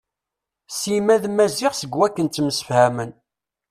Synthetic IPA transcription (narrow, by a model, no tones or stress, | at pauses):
simæðmæziʁsəɡwækːənt̪ːəmsə̥fhæmən